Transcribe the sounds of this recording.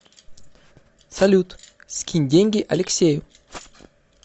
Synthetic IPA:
salʲut̪ | skʰʲinʲd̪ʲeŋɡʲiʔɐlʲeksʲeju

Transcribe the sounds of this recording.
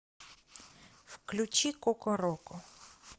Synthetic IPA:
fklʲʊt͡ɕikɔkɔɾɔkɔ

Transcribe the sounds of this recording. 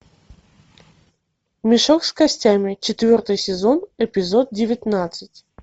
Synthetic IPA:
mʲɪʂokskɐsʲtʲamʲɪt͡ɕɪt̪vʲɔrt̪ɨjsʲɪzonɛpʲɪzot̪̚dʲɪvʲɪt̪nat̪sɨtʲ

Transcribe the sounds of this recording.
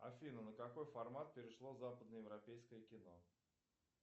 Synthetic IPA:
ɐ̰fʲinənəkɐko̞jfɐrmat̪̚pʲɪɾʲɪʂlˠozapəd̪nəjɪvɾɐpʲejskəjəkʲɪno̞

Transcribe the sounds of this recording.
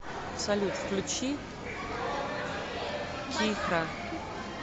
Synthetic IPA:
ɐpsɐlʲut̪fklʲut͡ʃʰi | tʲʰixra

